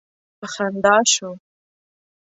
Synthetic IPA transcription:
paxand̪ɑʃo

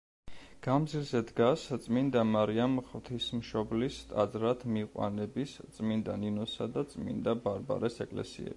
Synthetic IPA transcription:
ɡ̥amd̪zilzɛd̪ɡast̪sʼmind̪amaɾiamχvt̪ʰismʃɔblist̪ʼa̰d̪zɾat̪ʰmiqʼwa̰nɛbist̪sʼmind̪aninɔsad̪at̪sʼmḭnd̪abaɾba̰ɾɛsɛkʼlɛ̰sḭɛ̰i

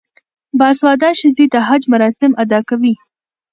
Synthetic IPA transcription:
bɑswɑd̪ɑʃɪzid̪aɦad͡ʒmaɾɑsɪmʔad̪ɑkawi

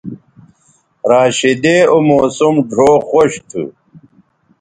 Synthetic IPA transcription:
ɾaːɕid̪eomoːsumɖʱoːxoɕt̪ʰṵ

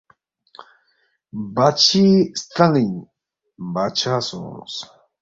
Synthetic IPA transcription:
bat͡ʃist̪aŋiɲ | bat͡ʃaso̰n̰s

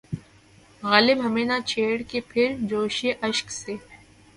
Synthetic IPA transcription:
ɣaːlɪbɦɐmeːnat͡ʃʰeːɽkepʰɪɾd͡ʒoːʃeʔɐʃkseː

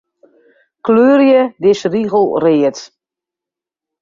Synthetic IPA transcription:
kløːrjədɪsriɣəl̩ˠreət

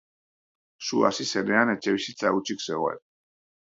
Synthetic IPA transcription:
sua̰sisɛnɛanɛt͡ʃʰʼɛwisit͡s̪ʼaut͡ʃʰiksɛɣɔɛ̰p

